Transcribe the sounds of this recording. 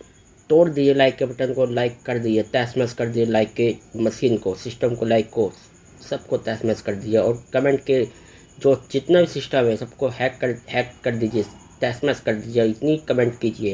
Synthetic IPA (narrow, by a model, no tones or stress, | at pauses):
t̪oːɽd̪id͡ʒelaːɪkːebɐʈənkolaːɪkːɐɾd̪id͡ʒeʈɛːsmɛːskɐɾd̪id͡ʒelaːɪkːemɐʃiːnkosɪsʈəmkolaːɪkːo | sɐb̚koʈɛːsmɛːskɐɾd̪ieɔːɾkɐmẽːɳʈke | d͡ʒoːd͡ʒɪt̪nabʱisɪsʈəmɦɛsɐbkohɛːkːəɾhɛːkkɐɾd̪iːd͡ʒieʈɛːsmɛːskɐɾd̪iːd͡ʒieɪt̪nikɐmẽːɳʈkiːd͡ʒie